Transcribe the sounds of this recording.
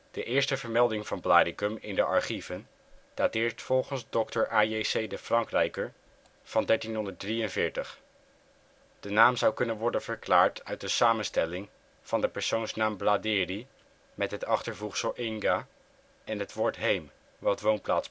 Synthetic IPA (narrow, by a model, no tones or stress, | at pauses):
d̥əʔɪːɹstəvəɹmɛlˠdɪŋvɑnblaːdɪkəmɪ̰ndəʔɑɹχivən | d̥aːtɪːɹtfɔlˠχənzdɔktəɹʔaːejsejdəfrɑŋkrɛjkəɹ | v̥ɑndɛɹtinɦɔndət̚drijənvɪːɹtəχ | d̥ənaːmzʌwkɵnənʋɔɹdənv̥əɹklaːɹtœɥt̚dəsaːmənstɛlɪŋ | v̥ɑndəpəɹsownsnaːmbladɪːri | mɛtɦətɑχtəɹvuχsəlˠʔɪŋɡa | ɛnɦətʋʊːɹtɦejm | ʋɑtʋownplaːts